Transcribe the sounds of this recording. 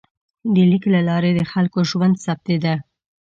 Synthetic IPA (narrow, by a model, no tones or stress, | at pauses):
d̪əliklalɑɾed̪əxalkoʒwand̪sap̚t̪ed̪a